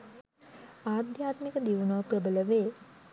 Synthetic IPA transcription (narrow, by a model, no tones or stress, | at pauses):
aːd̪jaːt̪mikəd̪iʋunəʋprəbələʋeː